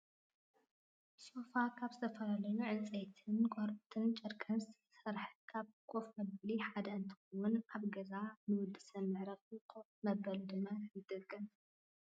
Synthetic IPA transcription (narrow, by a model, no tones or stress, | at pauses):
sofakʰaβzɨt̪ʰɐfɐlɐlɐnuʕɨnt͡sʼejt̪ʰɨnkʰoɾpʼt̪ʰɨnt͡ʃʼɨɾkʼʰɐnsʰ | sɐɾħkʰaβkʰʼo̞fmɐbɐliħad̪ɐɨnt̪ʰi̥xowʊnaβɡɐzanɨwʊd̪ɨsɐnːɨʕɾɐfikʰofmɐbɐlud̪ɨmːajɨd̪ɐɡɨm